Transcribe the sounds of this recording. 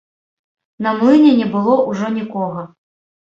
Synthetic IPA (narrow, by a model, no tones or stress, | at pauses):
nɐmlˠɨnʲɛnʲɛbɨlˠɔʔuʐɔnʲikɔɣɐ